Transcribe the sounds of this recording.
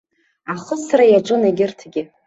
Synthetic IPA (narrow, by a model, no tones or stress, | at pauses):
aχəsrajaʈ͡ʂʼɨnaɡʲɪrtʰɡʲɪ